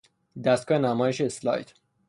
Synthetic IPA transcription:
d̪æst̪̚kɒːhenæmɒːjeʃeslɒ̰jt̪

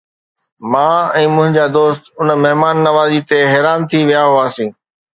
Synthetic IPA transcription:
mãːɛ̃ːmʊ̃ɦɪ̃ɲd͡ʑaːd̪oːst̪ʊnmɐɦmaːnːɐʋaːziːt̪eɦɛːɾaːnt̪ʰiʋijaɦuaːsĩː

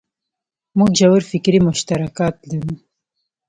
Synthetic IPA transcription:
muɡd͡ʒawaɾfɪkɾimʊʃt̪aɾakɑːt̪laɾu

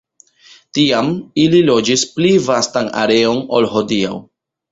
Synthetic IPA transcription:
tiamililo̞d͡ʒisplivastana̰ɾe̞o̞no̞̰lɦo̞dia̰w

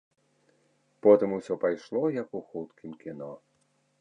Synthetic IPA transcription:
pɔt̪ɨmusʲɔpajʂlˠɔjɐkuxut̪kʲimkʲinɔ

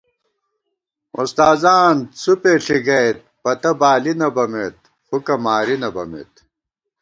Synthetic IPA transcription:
ṵst̪aːzaːnt͡supeːɬiɡɐjt̪̚pɐt̪ɐbaːlinɐbɐmet̪̚ | xukɐmaːɾinɐbɐ̰mḛːt̪̚

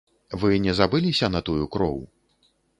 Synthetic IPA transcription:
vɨnʲɛzabɨlʲisʲɐnɐt̪ujukɾɔ̰w

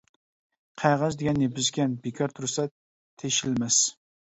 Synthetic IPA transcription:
qʰɑjʁɑzd̪eɡʲɛnebɪzkʲɛnbekʲʰɑɾt̪ʰʊɾsɛ | t̪ʰeʃɪlmɛs

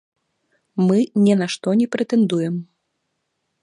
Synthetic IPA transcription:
mɨnʲɛnaʂt̪ɔnʲɛpɾɛt̪ɛnd̪ujɛm

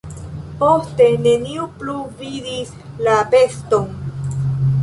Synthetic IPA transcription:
po̞ste̞ne̞niupluvidis | lape̞sto̞n

